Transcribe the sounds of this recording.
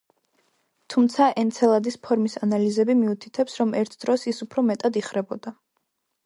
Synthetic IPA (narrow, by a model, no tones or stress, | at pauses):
t̪ʰumt̪sʰaʔɛnt̪sʰɛlˠad̪ispʰɔɾmisanalizɛbimiut̪ʰit̪ʰɛpsɾɔmɛɾt̪ʰd̪̥ɾɔsisupʰɾɔmɛt̪ʼad̪iχɾɛbɔd̪a